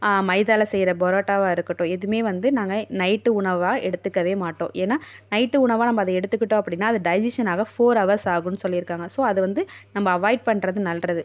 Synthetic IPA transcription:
aːmɐɪðaːlɐsɛjɾɐbɔɾaːʈːaːʋaːɪɾɯkːɐʈːõɛðɯmeːʋɐnd̪ɯnaːŋɡɐnɐɪʈːɯʊɳɐʋaːɛɽɯt̪ːɯkːɐʋeːmaːʈːõ̰ːʔeːnːaːnɐɪʈːɯʊɳɐʋaːnɐmːɐːðɐɛɽɯt̪ːɯkːɪʈːõːɐpːɐɽɪnːaːɐðɯɖɐɪd͡ʒɪʂɐnaːɣɐfoːɾɐʋɐɾsaːɣɯnːɯsɔlːɪɪɾɯkːaːŋɡɐsoːɐðɯʋɐnd̪ɯnɐmːɐːʋaːɪɖ̚pɐɳːɾɐðɯnɐlrɐðɯ

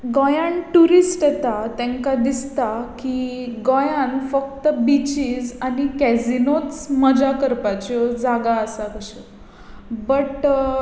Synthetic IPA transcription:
ɡɔjanʈuɾisʈjɛt̪at̪ɛ̃ŋkad̪ist̪akiɡɔjãnfək̚t̪əbit͡ɕiːd͡zañikɛzinot͡sməd͡ʑakəɾpat͡ɕɔd͡zaɡaəsakəɕə | bəʈ

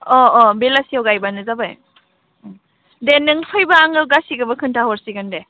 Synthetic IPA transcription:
ɔɔbelasiawɡajbanɯzabaj | denːɯŋpʰɯjbaːŋɯwɡasiɡɯbɐkʰɯntʰaɦɔɾsiɡande

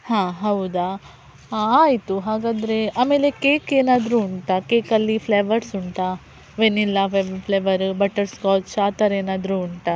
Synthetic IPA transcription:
hãːɦɐwd̪a | aːjit̪uɦaːɡaːd̪ɾe̞aːme̞ːle̞keːkeːnaːd̪ɾuːɳʈ̪akeːkɐlːipʰleʋɐɾsuɳʈ̪a | ʋenilːɐʋebpʰleʋɐɾbɐʈɐɾskaːt̪ʃaːt̪ɐɾeːnaːd̪ɾuːɳʈa

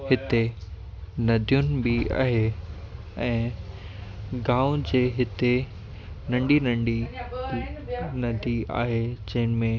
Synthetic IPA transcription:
hɪt̪e | nɐd̪ʱijʊnɪ̆bɪa̰ːɦe | ɛ̃ː | ɡãːʊ̃d͡ʑeːɦɪt̪e | nɐ̃ɳɖinɐ̃ɳɖi | nɐd̪ʱia̰ːɦed͡ʑɐ̃ɦɪnɪ̆mẽ

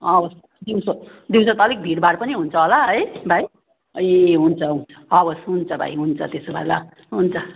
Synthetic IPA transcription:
ʌbʌs | d̪iw̃so | d̪iw̃sʌt̪ʌlek̚bʱiɽbaɽpʌniɦunt͡sʰʌɦolaɦʌjbʱaj | ʌjeɦunt͡sʰʌũ | ʌbʌsɦunt͡sʰʌbʱa̰jɦunt͡sʰʌt̪esobʱa̰la | ɦunt͡sʰʌ

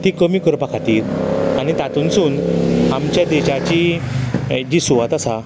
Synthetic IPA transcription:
t̪ikəmiːkəɾpakʰat̪iːɾanit̪at̪unsuːnamt͡ɕjad̪ɛɕat͡ɕi | d͡ʑiːsuʋat̪asa

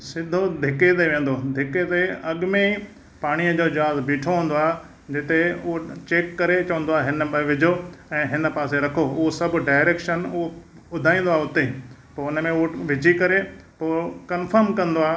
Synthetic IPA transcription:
sɪd̪ʱod̪ʱɪket̪̬eʋẽːn̆d̪od̪ʱɪket̪eɐɠmẽi | paːɽ̃iəd͡ʑoːd͡ʑɐɦaːzbeːʈʰoɦũːn̆d̪oaːɦ | d͡ʑɪt̪eʊɦot͡ɕeːkːɐɾet͡ɕɐʋə̃nd̪oaːɦɪnəɓɐʋɪd͡ʑʱoɛ̃ːɦɪnə̆paːseɾɐkʰoʊɦosɐb̆ʱɖaːɪɾeːkʃənʊɦo | ʊd̪ʱaːĩːn̆d̪oaːʊt̪epɐːʊnəmẽʊɦoʋɪt͡ɕikɐɾepoːkɐnfəɾmkɐ̃nd̪oaː

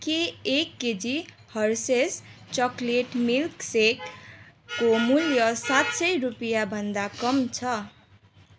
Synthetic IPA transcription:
keːkːed͡zi | hʌɾsest͡ʃɔkleʈmilksekː | omuljʌsat̪sʌjɾupijabʱʌnd̪akʌmt͡sʰʌ

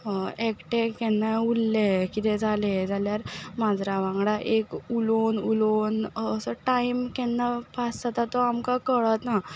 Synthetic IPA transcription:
ekʈekɛnːaulːekit̪ed͡zʱaled͡zʱaljaɾmad͡z̪ɾaʋãŋɡɽaʔekulonulonəsəʈaimkɛnːapasat̪at̪ɔamkakəɭt̪na

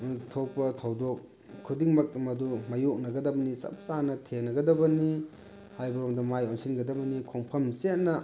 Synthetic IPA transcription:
tʰok̚pɐtʰɐwdok̚ | kʰudiŋmɐk̚mɐdumajok̚nɐɡɐdɐbɐnisɐ̰p̚sanɐtʰenɐɡɐdɐbɐni | hajbɐɾomdɐmajonsinɡɐdɐbɐnikʰoŋpʰɐmset̚nɐ

